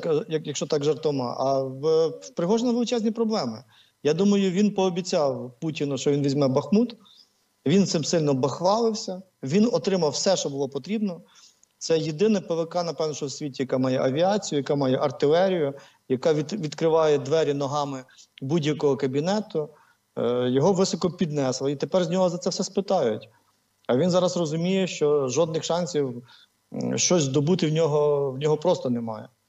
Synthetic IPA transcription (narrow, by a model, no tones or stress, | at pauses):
kjɐkjɐkʃt͡ʃɔt̪ɑɡʒɐrt̪ɔmɑ̰ʔɐ | pɾɪɦɔʒɛnɐʋelɪt͡ʃɛzʲnʲipɾɔblˠɛmɪ | jad̪umɐjʊʋʲinpɔːbʲit͡sʲɑwputʲinʊʃt͡ʃɔʋʲinʋʲizʲmɛbɐxmut̪ | ʋʲint̪sɪmsɪlʲnɔbɐxʋɑlˠɪwsʲɐ | ʋʲinɔt̪ɾɪmɐwsɛʃt͡ʃɔbʊlˠɔpɔt̪ɾʲibnɔ | t̪sɛjed̪ɪnɛpeʋɪkɑnɐpɛʋnɔʃt͡ʃɔwsʲʋʲitʲijɐkɑmɑjɛʔɐʋʲiɑt͡sʲijʊjɐkɑmɑjɛʔɐrt̪ɪlˠɛɾʲijʊ | jɐkɑʋʲiʋʲid̪kɾɪʋɑjɛd̪ʋɛɾʲinɔɦɑmɪbudʲjɐkɔɦɔkɐbʲinɛt̪ʊ | jɔɦɔʋɪsɔkɔpʲid̪nɛslˠɐit̪epɛrzʲnʲɔɦɔzɐt̪sɛwsɛspɪt̪ɑjʊtʲ | ɐʋʲinzɑɾɐzrɔzʊmʲijɛʃt͡ʃɔʒɔd̪̚nɪxʃɑnʲsʲiw | ʃt͡ʃɔsʲd̪ɔbut̪ɪwnʲɔɦɔwnʲɔɦɔpɾɔst̪ɔnemɑ̰jɛ̰